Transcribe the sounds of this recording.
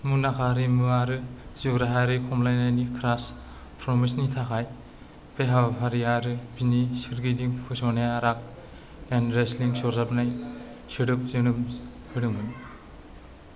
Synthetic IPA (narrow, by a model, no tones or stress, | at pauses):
munakʰaɾimɯaɾɯziwɾaɦaɾɯjkʰɔmlajnajnikʰɾas | pʰɾɔmisnitʰakʰaj | peɦabapʰaɾiaɾɯbinisiɾɡidiŋpʰɯsɔnajaɾak̚ | enɾesliŋsɔɾzapnaj | sɯɾɯp̚zɯnɯm | hɯɾɯmɯni